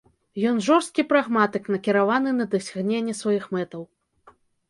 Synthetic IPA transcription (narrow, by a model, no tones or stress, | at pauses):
jɔnʐɔrst̪kʲipɾaɣmat̪ɨknɐkʲiɾavanɨnɐd̪ɐsʲaɣnʲenʲːɛsvajixmɛt̪ɐw